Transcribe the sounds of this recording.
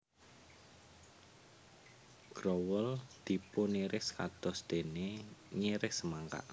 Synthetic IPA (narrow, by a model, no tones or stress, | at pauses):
ɡ̥ɾɔwəld̪̥i̤pʊniɾɪkskad̪̥ɔ̤sd̪̥e̤neɲiɾɪksəmaŋka̰ʔ